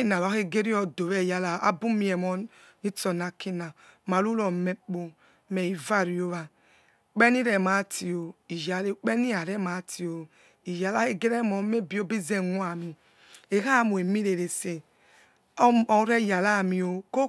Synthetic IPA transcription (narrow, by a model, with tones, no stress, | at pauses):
i˦na˨ɾa˨˦e˦ɡe˦ɾi˦ɔ˨do˨ɾɛ˦˨ja˨la˨a̰˦bu˦mi˨ɛ˨mɔ˨ | ni˦tɔ˨na˨ki˦na˨ | ma˨lu˦lɔ˨me˦k͡po˨ | mɛ˨i˨va˦ɾi˨o˦βa˨ | k͡pe˦ni˦ɾɛ˨ma˨˦ti˨o˨i˨ja˨le˦k͡pe˦ni˦a˨ɾɛ˦ma˨˦ti˨o˨ | i˨ja˨la˦e˦ɡe˦ɾe˦mɔ˨˦me˦bi˦o˦bi˦ze˦˨ŋu˦a˨mi˨ | e˨ɣa˦˨mu˨e˨mi˦ɾe˨ɾe˨se˨˦ | ɔ˨˦ɾe˦˨ja˨la˦˨mi˨o˨ko˦